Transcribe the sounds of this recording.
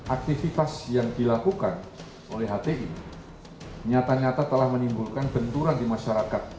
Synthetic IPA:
ʔak̚t̪ifit̪asjaŋdilakukan | ʔolɛɦat̪eʔini | ɲat̪aɲat̪at̪əlahmənimbulkanbənt̪uɾandimaʃaɾakat̪̚

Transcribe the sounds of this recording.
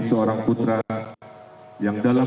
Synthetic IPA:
isəoɾaŋput̪ɾa | jaŋdala

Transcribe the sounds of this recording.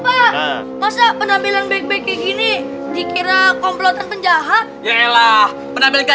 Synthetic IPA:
pa | masapənambilanbek̚bekiŋini | dikiɾakɔmplot̪anpəɲd͡ʒaɦa | jaŋelah | pənambilka

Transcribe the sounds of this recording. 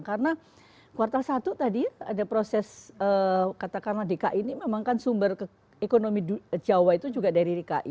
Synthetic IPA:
ŋkarəna | kuwart̪alsat̪ut̪adiadapɾosɛsəkat̪akarnadekaʔinimemaŋkansumbərkə | ekonomidd͡ʒawait̪ud͡ʒuɡadaɾidekaʔḭ

